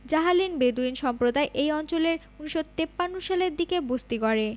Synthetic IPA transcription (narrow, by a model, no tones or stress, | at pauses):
d͡ʑaɦalinbed̪uinʃɔmpɾod̪aeʔejɔnt͡ɕoleɾ | uniʃot̪epːanːoʃaleɾd̪ikebost̪ikɔɾe